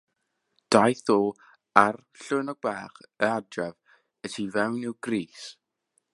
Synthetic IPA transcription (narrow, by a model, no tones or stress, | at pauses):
d̥ajθoː | ar | ɬʊːnɔɡ̚bɛːχəadrɛv | ətʰivɛwnɪwɡriːs